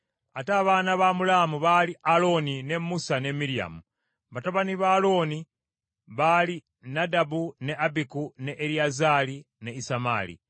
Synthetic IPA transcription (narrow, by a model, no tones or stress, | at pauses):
ataβaːnaβamulamuβaliʔalo̞nine̞musane̞miɾia̰mu | βataβaniβalo̞ni | βali | nadabune̞abikuneʔːɾiazali | neisama̰lḭ